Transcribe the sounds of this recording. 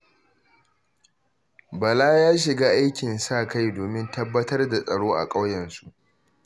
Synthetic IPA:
bɐ˨laː˦jaː˦ʃ̬ɪ˨ɡaː˦ʔa˦jkʲɪ˨nsaː˦˨ka˦jdoː˨mɪ˦ntɐ˦bːɐ˦tɐ˦rda˨sʼɐ˨ɽoː˦ʔa̰˨kʼɐ˦wjɛ˨nsu˦˨ʔ

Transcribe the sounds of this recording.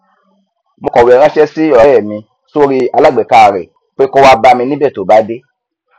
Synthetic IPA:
mo˧kɔ˨wi˨ɛ˨ɾ̃ã˦ʃɛ˦si˦ɔ˨ɔ˨˦ɛ˨mĩ˧ | so˦ɾi˦a˧la˦˨ɡ͡bɛ˨ka˨ɾḛ˨ | k͡pe˦ko˦wa˦ba˧mĩ˧nĩ˦bɛ˦˨to˨˦ba˨˦de˦

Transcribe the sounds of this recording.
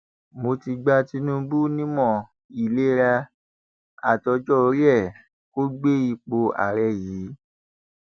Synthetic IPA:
mo˧ti˧ɡ͡ba˧ti˧˦nũ˦bu˦nĩ˦mɔ̃˦˨ | i˨le˦ɾa˧ | a˨tɔ˧d͡ʒɔ˦˨ɾo˨˧˦jɛ˦˨ | ko˦ɡ͡be˦i˧k͡po˧a̰˨ɾɛ˧˨jiː˨˦

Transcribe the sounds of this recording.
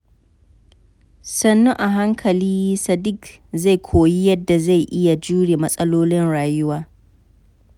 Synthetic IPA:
sɐ˦nːu˦ʔa˨ɦa˦ŋkʰɐ˨liː˦sɐ˨dɪ˦k | za˦˨jkʷʰoː˨ji˦jɐ˦dːa˨za˦˨jʔɪ˦ja˨d͡ʒuː˦ɽeː˨mɐ˦sʼɐ˦loː˦lɪ˦nɽaː˨jʊ˦waː˦

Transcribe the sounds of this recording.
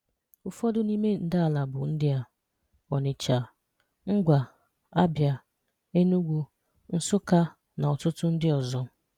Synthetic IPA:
ʊ˦fɔ˦dʊ˦ni˦me˦n̩˨da˦a˨la˨bʊ˨n̩˦dɪ˦a˦ | ɔ˨nɪ˨t͡ʃa˨ | ŋ̩˦ɡʷa˨ | a˦bja˨ | e˦nu˦ɡʷu˦ | n̩˦sʊ˦ka˦ | na˨ɔ˨tʊ˦tʊ˦n̩˦dɪ˦ɔ˨zɔ˦

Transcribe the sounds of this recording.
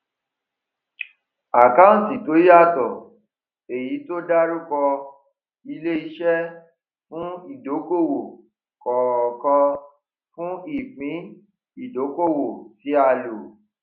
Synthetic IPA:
a˨ka˦ũ˦˨ti˨to˨˦ja˦˨tɔ˨ | e˨ji˨˦to˦da˦ɾu˦kɔ˧ | i˧le˦i˧ʃɛ˦ | fũ˦i˨do˨˦ko˦˨wo˨ | kɔ˨kɔ̃˧ | fũ˦i˦˨k͡pĩ˨˦ | i˦˨do˨˦ko˦˨wo˨ti˨˦a˧lo˨

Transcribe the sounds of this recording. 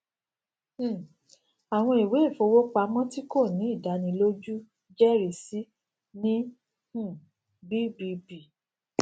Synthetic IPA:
a˨w̃ɔ̃˧i˨we˨˦i˦˨fo˨˧wo˦k͡pa˧˦mɔ̃˦ti˦ko˦˨nĩ˨˦i˦˨da˨˦nĩ˧lo˦d͡ʒu˦ | d͡ʒɛ˦ɾi˨si˦ | nĩ˦ | hũ˦˨ | bi˦bi˧bi˨

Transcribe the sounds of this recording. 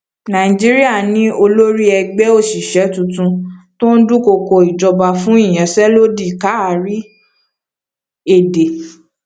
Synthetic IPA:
nã˨i˨d͡ʒi˦ɾi˦a˦˨nĩ˦o˧lo˦ɾi˦ɛ˧ɡ͡bɛ˦o˦˨ʃi˨ʃɛ˨˦tũ˧tũ˧to˦n̩˦du˦ko˧kɔ˧i˨d͡ʒɔ˧ba˧fũ˦i˦˨j̃ã˨sɛ˦lo˦di˦˨ka˨˦a˨ɾi˦ | e˦˨de˨

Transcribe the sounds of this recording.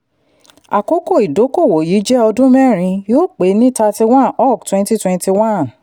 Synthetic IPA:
a̰˨ko˦ko˦˨i˨do˨˦ko˦˨wo˨ji˨˦d͡ʒɛ˦ɔ˧dũ˦mɛ˦˨ɾ̃ĩ˧joː˦˨k͡pe˨˦nĩ˦ta˧ti˧wã˦ɔ˦˨ktwɛ̃˦nti˦twɛ̃˧nti˧wã˦˨n

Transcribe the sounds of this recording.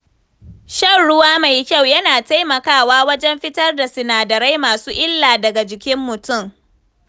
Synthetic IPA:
ʃɐ˦˨nɽʊ˦waː˦ma˨jkʲa˦˨wjɐ˦naː˨ta˦jmɐ˨kaː˦waː˦wɐ˦d͡ʒɛ˦mɸɪ˦tɐ˦rda˨sɪ˨naː˨dɐ˨ɾa˦jmaː˨suː˦ʔɪ˦lːaː˨dɐ˨ɡa˨d͡ʒɪ˨kʲɪ˦mːʊ˨tʊ˦˨m

